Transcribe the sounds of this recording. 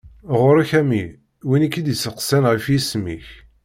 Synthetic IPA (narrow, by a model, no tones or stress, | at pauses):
ʁʊɾaçæmi | winikːid̪isəqsænʁəfjismḭç